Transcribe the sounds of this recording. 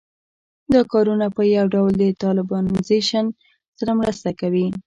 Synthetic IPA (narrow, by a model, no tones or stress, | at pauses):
d̪ɑkɑɾunapəjawɖawld̪ət̪ɑlɪbɑnozeʃan | saɾamɾəst̪akawi